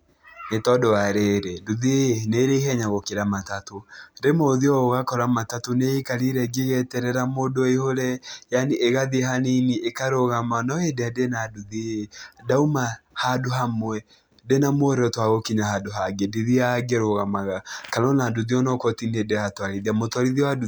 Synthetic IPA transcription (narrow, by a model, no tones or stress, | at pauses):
netɔdoaɾeɾeduðeneɾeɦɛɲaɣokeɾamatatodemoðiɔɣoɣakɔɾamatatoneikaɾiɾɛɡeɣɛtɛɾɛɾamodoehoɾɛjaniʔeɣaðiɦaniniʔekaɾoɣamanɔedeadenaduðidaumahadoɦamwɛ | denamoɾɛɔtwaɣokiɲahadoɦaɡedeðiaɡeɾoɣamaɣakanɔnaduðiɔnɔkɔtinedeatwaɾiðiamotwaɾiðiwadu